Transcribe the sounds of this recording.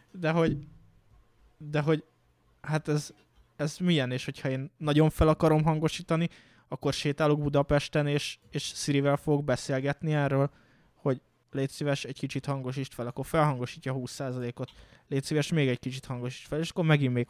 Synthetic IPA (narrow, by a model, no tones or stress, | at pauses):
d̪ɛɦo̞ɟ | d̪ɛɦo̞ɟ | hat̪ɛz | ɛzmijɛneːʃho̞chɒeːnːɒɟo̞ɱfɛlɒkɒɾo̞mɦɒŋɡo̞ʃiːt̪ɒni | ɒkːo̞rʃeːt̪aːloɡ̚bud̪ɒpɛʃt̪ɛneːʃeːʃsiɾivɛlfoɡo̞ɡ̚bɛseːlɡɛt̪niɛːrːøːl | ho̞ɟ | leːt̪seːvɛʃɛɟkit͡ʃit̪hɒŋɡo̞ʃ̬iʃt̪fɛlɒkːo̞rfɛlɦɒŋɡo̞ʃiːcːɒhuːsːaːzɒleːko̞t̪leːt̪siːvɛʃmeːɡɛɟkit͡ʃit̪hɒŋɡo̞ʃi̥ʃt̪fɛleːʃɒ̥kːormɛɡimːeːk